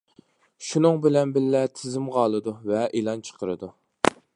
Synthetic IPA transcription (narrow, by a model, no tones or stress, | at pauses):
ʃunɨŋbɪlɛnbɪlːɛt̪ʰɪzɪmʁɑːlˠɨd̪uvɛʔelˠɑnt͡ʃʰə̥qʰəɾɨ̰d̪u